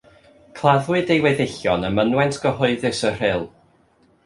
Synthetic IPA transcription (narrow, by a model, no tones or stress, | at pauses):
kʰlˠaðwɨdejwɛðɪɬjɔnəmənwɛntʰɡ̥əɦʊɨðɨsər̥ɪlˠ